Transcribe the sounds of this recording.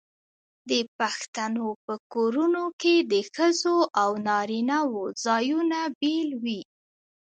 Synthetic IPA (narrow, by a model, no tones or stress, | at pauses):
d̪əpaxt̪anopəkoɾunoked̪əxəzoʔawnɑɾinawozɑjunabelwi